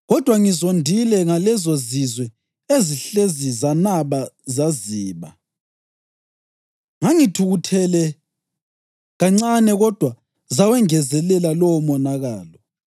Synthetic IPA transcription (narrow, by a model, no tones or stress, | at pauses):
ɣɔd̥ʱwaŋizondʱilɛŋalɛzozizwɛ | eziɬezizanaβazaziːβa̰ | ŋaŋitʰuɣutʰɛlɛ | ɣaŋ͡ǀanɛɣɔd̥ʱwa | zawɛŋɛzɛlɛlalɔwɔmɔnaɣaːlɔ